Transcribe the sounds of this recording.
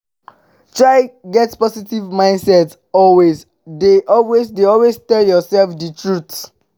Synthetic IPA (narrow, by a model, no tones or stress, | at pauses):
t͡ʃaɪɡɛtspɔsitivmãɪ̃ndsɛt | ɔlwez | deʔɔlwezdeɔlwestɛljɔsɛlfditʰɹut